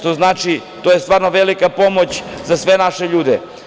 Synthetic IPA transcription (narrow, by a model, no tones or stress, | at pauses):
t̪o̞znaːt͡ʃit̪ojest̪ʋaːɾno̞ʋelikapo̞mo̞t͡ɕzasʋe̞naʃeʎuːd̪e